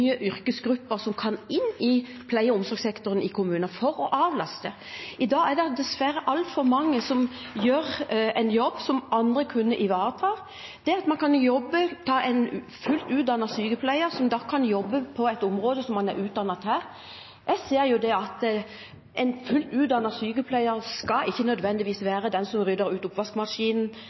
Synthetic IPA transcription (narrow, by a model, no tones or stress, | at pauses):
yːəʔʏʁkəsɡɾʉpːəʁsɔmkʰɑnɪnːɪ | pʰlæɪəʊmsɔɾɡsɛkt̪ʊɾənɪkʊmʉːnɑfɔɾɔʔɑːʋlɑst̪ə | ɪd̪ɑːæd̪ɛd̪ɛsʋæɾəʔɑlt̪fɔɾmɑŋːəsɔmjøːʁɛɪnjɔbːsɔmʔɑnd̪ʁəkʰʉnːəʔɪʋɑːɾət̪ʰɑː | d̪̥ɛɑt̪mɑnkʰɑnjjɔbːət̪ʰɑːʔɛɪn | fʉlt̪ʉːt̪̚d̪ɑnɑsyːɡəpʰlæɪəɾsɔmd̪ɑkʰːɑnjɔbːəpʰɔɛɪt̪ʊmʁoːd̪əsɔmːɑnæ̰ɾʉːt̪̚d̪ɑnːɑt̪hæːʁ | jæseːɾjʊd̪ɛɑt̪ | ʔɛɪnfʉlt̪ʉːd̪ɑnɑsyːɡəpʰlæɪəɾskɑɪçːənœd̪ʋɛnd̪ɪʋiːsʋæːʁəd̪ɛnsɔmʁʏd̪əɾʉːt̪ʊpʋɑskmɑʂiːnn̩